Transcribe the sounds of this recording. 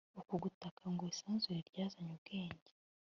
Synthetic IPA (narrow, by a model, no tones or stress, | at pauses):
ukuɡutakʰaŋɡoisaːnzuɾeɾɟaːzaɲub̚ɡ̥e̞ːɲɟe